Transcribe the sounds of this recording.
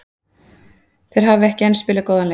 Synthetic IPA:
θejɾ̥ɦaːvɪɛhcɪɛnspɪːlɪkoːwðan

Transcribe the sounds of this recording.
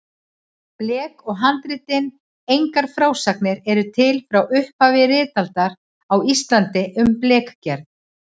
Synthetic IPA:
plɛːkɔɣɦant̪ɾɪt̪ɪn | ejŋkaɾ̥fɾaːwsaknɪɾɛɾʏt̪ʰɪlfɾawʏhphaːvɪrɪːt̪alt̪aɾ | awist̪lant̪ɪʔʏmplɛːkcɛɾðn

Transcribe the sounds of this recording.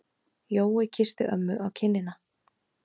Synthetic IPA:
joːwɪcʰɪst̪ɪʔœmːʏʔawcʰɪnːɪna

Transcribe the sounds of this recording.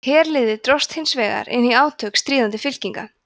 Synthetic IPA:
hɛːɾlɪːðɪt̪ɾɔst̪hɪnsvɛːɣa̰ɾɪ̰nːiaːwt̪ʰœkst̪ɾiːðant̪ɪfɪl̥ciŋka

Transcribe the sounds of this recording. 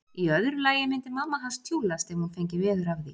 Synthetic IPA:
iœðɾʏlaːjɪmɪnt̪ɪmamːaɦanst̪ʰjoːwlast̪ɛhunfejɲcɪvɛːðʏɾavði

